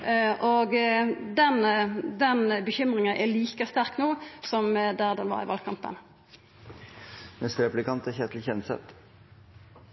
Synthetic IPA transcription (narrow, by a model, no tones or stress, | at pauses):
ʔoɡd̪ɛnd̪ɛnbəçʏmʁɪŋənʔæliːkəst̪æɾknuːsɔmd̪æʁd̪ɛnʋɑ̰ʁɪ̰ʋɑ̰lɡkʰɑmpə̰n | mɛst̪ɾɛplɪkʰɑnt̪æçɛːt̪lçɛnsɛ̰t̪